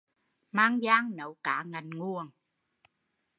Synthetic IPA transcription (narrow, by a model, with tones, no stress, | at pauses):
maː˧˥ŋzaː˧˦˥ŋnə˨˦wkaː˨˦ŋa˨˩jnŋu˨˩əŋ